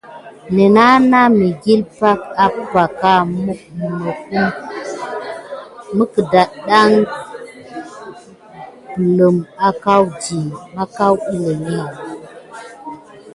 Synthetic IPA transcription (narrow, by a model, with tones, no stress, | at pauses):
ne˨na˦na˦mi˨ɡi˦lpa˦ka˨pə˦ba˨ka˦mu˦k̚m˨mo˨ku˦m | mə˦kə˨da˨ɗa˦ŋ | pə˨lə˨ma˦ka˦wd͡ʒi˨ma˦ka˦wi˦lə˨mi˦